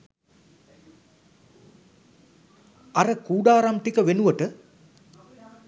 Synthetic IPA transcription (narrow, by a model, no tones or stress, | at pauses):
ɐɾɐkuːɖaːɾamt̪ikɐʋenuʋɐʈɨ